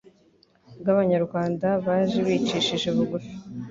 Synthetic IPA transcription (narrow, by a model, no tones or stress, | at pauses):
βɡaβaɲaɾɡwaːndaβaːʒeβiːt͡ʃiːʃiʒeβuβufi̥